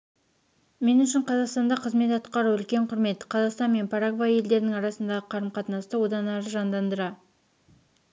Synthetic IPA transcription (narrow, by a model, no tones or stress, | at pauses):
me̞nʏʃɪɴqʰɑzɑqst̪ɑnd̪ɑqʰəzme̞t̪ɑt̪qɑɾəʏlkʲe̞ɴqʰʊɾme̞t̪ːə̥qʰɑzɑqst̪ɑnme̞npʰɑɾakvaje̞ld̪e̞ɾɪnɪŋɑɾɑsənd̪ɑʁəqʰɑɾəmqʰɑt̪nɑst̪əwo̞d̪ɑnæɾəʒɑnd̪ɑnd̪əɾɑ